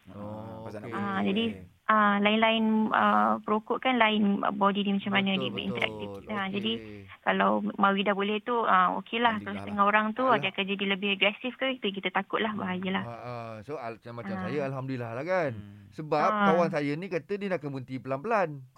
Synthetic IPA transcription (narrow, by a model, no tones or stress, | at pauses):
ad͡ʒadi | ʔalaɪnlaɪnə̰pəɾokʊʔkanlaɪnə̰bɔdidimat͡ʃamanə̃dibʔḭnt̪əɾa̰k̚t̪ifad͡ʒadikalawmawidabolɛht̪uəmo̰kʰelahkalast̪əŋaɦoɾaŋt̪udiakand͡ʒadiləbɪhəɡɾɛsifkət̪uk̬it̪at̪akʊt̪̚lahbaɦajəlahsoat͡ʃamːat͡ʃamsajəalɦamdulilahlakansəbap̚kawaŋsajənĩkat̪ədinakabunt̪ipəlanpəlan